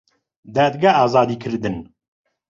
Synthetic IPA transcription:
d̪æːd̪ɡaɑːzɑːd̪iːkʰɨɾd̪ɨn

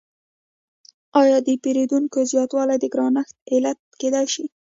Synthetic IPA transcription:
ɑjɑd̪əpeɾed̪uŋkozjɑt̪wɑlajd̪əɡɾɑnaxt̪̚ɪlat̪̚ked̪ajʃi

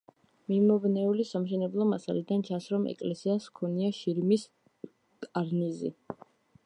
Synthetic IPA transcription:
mimɔvnɛulisamʃɛnɛblˠɔmasa̰lid̪ant͡ʃʰasɾɔmɛ̰kʼlɛsiaskʰɔniaʃiɾmis | kʼaɾnizḭ

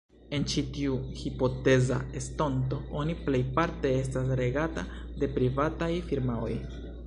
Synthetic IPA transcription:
e̞nt͡ʃitiuhipo̞te̞za̰e̞sto̞nto̞oniple̞jpaɾte̞e̞s̬tas̬ɾe̞ɡata | de̞pɾivatajfiɾmao̞̰j

